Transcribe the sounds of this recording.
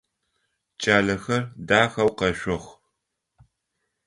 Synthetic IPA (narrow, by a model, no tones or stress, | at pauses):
t͡ʃʼaːɮɐxɐrdaːxɐwqɐʃʷʊχʷ